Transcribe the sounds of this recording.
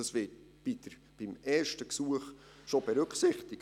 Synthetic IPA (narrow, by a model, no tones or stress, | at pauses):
ɑsvɪt̚ | b̥id̥əɾ | b̥ɪmɛːɹʃtəksuəχ | ʃobeɾʉkχsɪχtɪk